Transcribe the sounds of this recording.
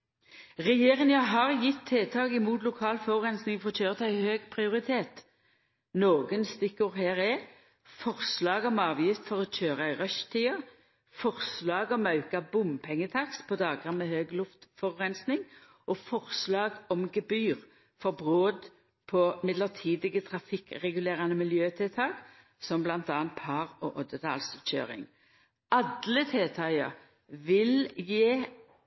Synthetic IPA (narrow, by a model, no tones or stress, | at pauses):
ʁɛjeːʁɪŋɑɦɑʁjɪt̪ʰːeːt̪ʰɑːɡɪmuːt̪lʊkʰɑːlfɔʁʁɛnsnɪŋfɔʁɔc͡çøːʁət̪ʰæɪhøːɡpʰʁɪʊʁɪt̪ʰeːt̪ | noːɡənst̪ɪkːəʁhæːʁɛ | fɔʁslɑːɡɔmɑːʋjɪft̪fɔʁɔc͡çøːʁəæɪʁœʃt̪ʰiːə | fɔʁslɑːɡɔmɑʉkɑbʊmpʰɛŋːət̪ʰɑkspʰɔd̪ɑːɡʁɑnmɛhøːɡlʊft̪fɔʁʁɛnsnɪŋ | ʔɔfɔʁslɑːɡɔmɡɛbyːʁ | fɔʁbʁoːd̪ | pʰɔmɪd̪ləʁt̪ʰiːd̪ɪɡət̪ʰʁɑfɪkʁɛɡʉleːʁɑnəmɪljøːt̪ʰɪlt̪ʰɑːɡ̥ | sɔmblɑnt̪ɑːɑnt̪pʰɑːʁɔʔɔd̪ət̪ʰɑ̰ːlsc͡çø̰ːʁɪ̰ŋ | ɑd̪lət̪ʰeːt̪ʰɑɪəʁ | ʋɪljeː